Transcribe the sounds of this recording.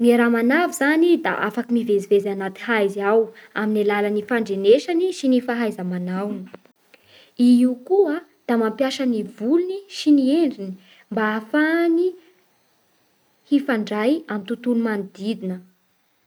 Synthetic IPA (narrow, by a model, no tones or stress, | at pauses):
niɾamanavizanid̪a̰ʔa̰fakimivezivezanat̪i̥hajziawaminilalanifaɳɖ͡ʐeneʃaniʃinifaɦajzəmanawni̥ | iiukua | d̪̥amampjaʃənivuluniʃinieɳɖ͡ʐini̥ | mbaafani | hifaɳɖ͡ʐajamint̪ut̪ulumanid̪id̪inə